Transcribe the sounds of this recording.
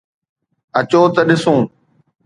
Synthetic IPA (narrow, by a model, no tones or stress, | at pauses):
ət͡ɕoːt̪əɗɪsõː